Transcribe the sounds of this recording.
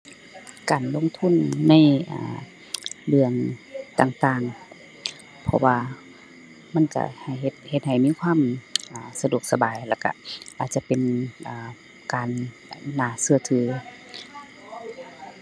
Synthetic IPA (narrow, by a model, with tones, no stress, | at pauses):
kaː˨˩nlo˧˥˨ŋt̪ʰu˧˥˨nːa˧˥˨jʔa̰ː˨˩ | lɯ˧əŋt̪aː˧˩ŋt̪aː˧˩˨ŋ | pʰɔ̰˧waː˧ | ma˧˥˨nka̰˧ha˨˩jhe˧˦t̪̚he˧t̪̚ha˨˩jmiː˧˥˨kʰwaː˧˥˨mʔaː˨˩sa˧du˧˩ək̚sa˧baː˨˩jlɛ˧˩ka̰˧˩ʔaː˨˩t̪̚t͡ɕa˧˨pe˨nʔaː˨˩ | kaː˨˩nː˨ | aː˧˩sɯ˧˩ɐt̪ʰɯː˨˦